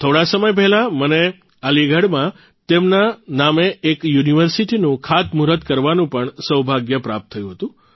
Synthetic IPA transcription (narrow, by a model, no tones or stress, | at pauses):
t̪ʰoɽasəməjp̬ɛɦlaməne | aliɡʱəɽmã | t̪emnanameːkjuniʋəɾsiʈinũkʰat̪muɾət̪kəɾʋanũpəɳsəwbʱaɡjəpɾa̰p̚t̪ʰːəjũɦət̪ũ